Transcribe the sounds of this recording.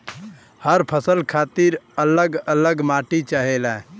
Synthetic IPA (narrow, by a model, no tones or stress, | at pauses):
həɾpʰəsəlkʰat̪iɾələɡələɡmaʈit͡ʃaɦelɛ̃